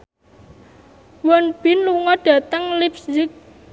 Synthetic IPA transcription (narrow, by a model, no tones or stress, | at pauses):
wɔnb̥ɪ̤nluŋɔɖ̥ä̤t̪əŋlipsd͡ʒɪk̚